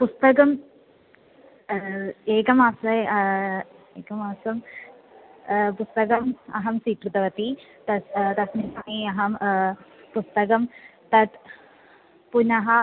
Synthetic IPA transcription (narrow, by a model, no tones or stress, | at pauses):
pust̪ɐkɐm | eːkɐmaːsɐj | eːkɐmaːsɐm | pust̪ɐkɐmɐ̰ɦɐmsiːkɾut̪ɐʋɐt̪it̪ɐst̪ɐsminaːniɐɦɐm | pust̪ɐkɐmt̪ɐt̪ | punɐɦɐ